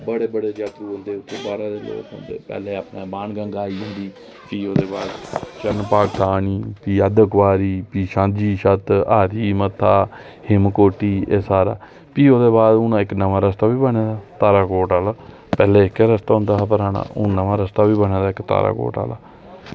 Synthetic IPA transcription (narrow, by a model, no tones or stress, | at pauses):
bəɽeːbəɽeːd͡ʒjaːt̪ɾuːɦõnd̪eːʊt̪ʰːeːbaːɾaːd̪eːlo̰ːkɦʊ̰nd̪eːpɛ̰ːleːapnaːbaːnɡə̃ŋɡaːiːõnd̪iː | piːoːd̪eːbaːd̪t͡ʃənpaːkt̪ʰaːɳiːpiːəd̪əkʋaːɾiːpiːʃãːd͡ʒiːʃət̪aːɾiːmət̪ʰːaː | hɪmkoːʈiːeːsaːɾa̰ː | piːoːd̪eːbaːd̪ʊnãːɪknəʋaːɾəst̪aːʋiːbəɳeːd̪aːt̪aːɾaːkoːʈaːlaː | pɛːleːɪkeːɾəst̪aːɦʊ̃nd̪aːpəɾaːna̰ːʔʊnəʋaːɾəst̪aːʋiːbəñẽːd̪aːɪkt̪a̰ːɾa̰ːko̰ːʈa̰ːla̰ː